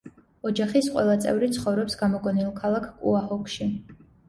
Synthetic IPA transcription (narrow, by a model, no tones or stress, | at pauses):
ɔd͡ʒaχisqʼwɛ̰lˠat̪sʼɛ̰vɾit̪sʰχɔvɾɔpsɡ̥amɔɡɔnilˠkʰalˠakʰkʼṵahɔkʰʼʃi